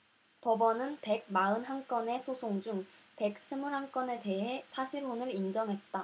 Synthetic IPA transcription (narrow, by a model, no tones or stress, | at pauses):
pʌbʌnɯnpe̞ɡ̚maɯnɦaŋk͈ʌne̞sʰosʰoŋd͡ʑuŋ | pe̞k̚s͈ʰɯmuɾɦaŋk͈ʌne̞te̞ɦe̞sʰaɕʰiɾɦonɯɾind͡ʑʌŋɦe̞t̚t͈a